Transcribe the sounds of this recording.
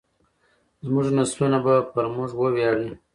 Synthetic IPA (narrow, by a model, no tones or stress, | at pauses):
zmuʐnasbunabapəɾmuʐwəwjɑɽi